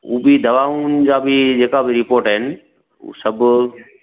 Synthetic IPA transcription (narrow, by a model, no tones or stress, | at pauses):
ṵːbɪd̪ɐʋaːunɪ̆d͡ʑaːbɪd͡ʑeːkabɪɾɪpoːɾʈɦɪnɪ̰̆ | sɐbʱʊ